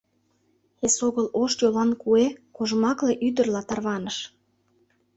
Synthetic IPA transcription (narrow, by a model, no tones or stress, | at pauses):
esoɣəloʃjolɑnkuekoʒmɑkleʔyd̪ə̆rlɑt̪ɑrβɑnəʃ